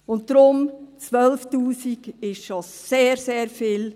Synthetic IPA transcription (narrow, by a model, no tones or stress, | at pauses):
ʊnt̚d̥ɾʊmt͡sʋœlftuːsikɪʃʃoseːɾseːɾfɪːl